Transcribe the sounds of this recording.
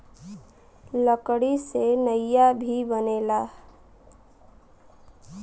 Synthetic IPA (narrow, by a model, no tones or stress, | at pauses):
ləkɽisenəjjabʱibənela